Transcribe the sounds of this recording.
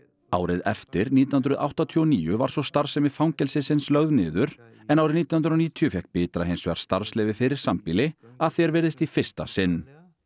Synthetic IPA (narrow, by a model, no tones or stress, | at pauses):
aːwɾɪðɛft̪ɪɾniːt̪innɾʏðʔa̰wht̪at̪ʰiɔniːjʏva̰ɾ̥sɔst̪aɾsɛmɪ̥fawŋcɛlsɪsɪnslœɣðnɪ̰ːðʏɾ | ɛnawɾɪɾniːt̪nhnɾɔniːt̪ʰiʏfjɛk̚pɪːt̪ɾaɦejnsʏa̰ɾ̥st̪aɾslɛːvɪfɪɾɪɾ̥sampɪlɪaðθjɛɾvɛːɾðɪst̪ifɪr̥st̪a̰sɪnː